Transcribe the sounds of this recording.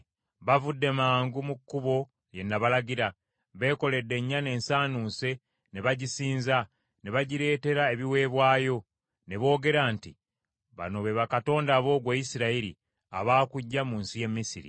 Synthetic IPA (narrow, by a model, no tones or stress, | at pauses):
βavudːe̞maːŋɡumukːuβo̞ | je̞nːaβalaɟiɾa | βe̞ːko̞le̞dːe̞ɲːane̞ːnsaːnuːse̞ | neβaɟisiːnza | ne̞βaɟiɾe̞ːte̞ɾae̞βiwe̞ːβwaːjo̞ | ne̞βo̞ːɡe̞ɾaːnti | βa̰no̞βe̞βakato̞ːndaβo̞ːɡweːjisiɾaiɾḭ | a̰βaːkuɟːamuːnsije̞mːisḭɾḭ